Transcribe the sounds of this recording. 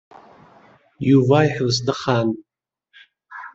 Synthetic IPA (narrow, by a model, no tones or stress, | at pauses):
juvaːjħəvsdɨχan